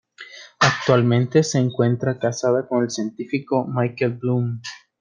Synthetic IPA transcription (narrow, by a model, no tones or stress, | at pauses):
ak̚t̪walmẽ̞nt̪e̞se̞ːŋkwe̞nt̪ɾakasaðako̞ne̞lsje̞nt̪ifiko̞majkelblum